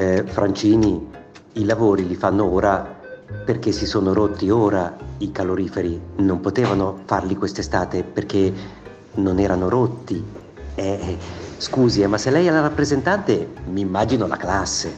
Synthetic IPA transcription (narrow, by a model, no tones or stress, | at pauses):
fɾʔant͡ʃiːni | ilavoːɾilifanːooːɾaperk̟esːisoːnoɾot̪ːioːɾaikaloɾiːfeɾinompot̪eːvanofarlikwest̪est̪aːt̪eperk̟e | nonɛːɾanoɾot̪ːi | ɛskuːziɛmasːelːɛjɛlarapːɾezent̪ant̪emiːmːaːd͡ʒinola̰klasːe